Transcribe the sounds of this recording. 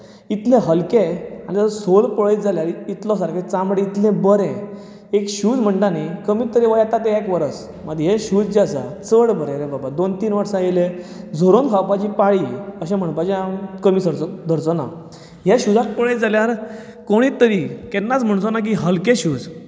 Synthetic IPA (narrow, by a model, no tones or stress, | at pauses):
it̪lẽɦəlkẽañit̪əəsolpəɭet̪d͡zaljaɾit̪lɔs̬aɾkait͡sãmbɽẽit̪lɛ̃bəɾɛ̃ | ekɕuːd͡zm̤əɳʈ̪anikəmit̪ːəɾiʋəjat̪at̪eɛkʋəɾəs | məd̪ɦeɕud͡zd͡ʑasa̰t͡səɽbəɾɛ̃ɾẽbabad̪ont̪iːnʋəɾsajele | d͡zʱoɾonkʰawpat͡ɕiːpaɭiəɕɛ̃m̤əɳpad͡ʑekəmiːsəɾt͡sɔd̪ʱəɾt͡sɔna̰ | ɦeɕud͡zat̪̚pəɭətd͡zaljaɾ | koɽ̃it̪ːəɾikɛnːat͡sm̤əɳt͡sɔnak̬iɦəlkẽɕuːd͡z